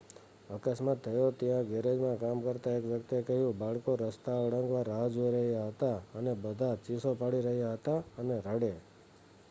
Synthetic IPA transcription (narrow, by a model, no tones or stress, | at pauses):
əkasmat̪ʰːəjot̪jãɡeɾed͡ʒmãkamkəɾt̪aekʋjəkt̪ekəɦjũbaɭkoɾəst̪aəɽə̃ŋɡʋaɾːaɦd͡ʒoiɾəɦjaɦət̪aənebəd̪ʱat͡ʃisopaɭiɾəɦjaɦət̪aəneɾəɽe